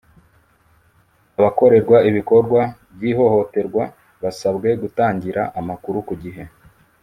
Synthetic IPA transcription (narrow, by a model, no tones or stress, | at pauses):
aβako̞ɾe̞ɾɡwaiβiko̞ɾɡwabjiːɦo̞ho̞te̞ɾɡwa | βasabɡe̞ɡutaːɲɟiɾaʔamakuɾukuɟiɦe̞